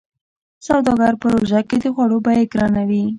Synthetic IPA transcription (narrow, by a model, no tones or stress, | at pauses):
sawd̪ɑɡɑɾpəɾoʒaked̪əxwaɽobɑjeɡɾɑnawi